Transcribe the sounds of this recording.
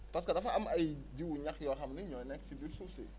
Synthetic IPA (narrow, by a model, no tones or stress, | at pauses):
pɐskɐdɐfɐʔɐmɐjd͡ʒiwɲɐkjɔxɐmniɲɔjnɛksibilsusḭ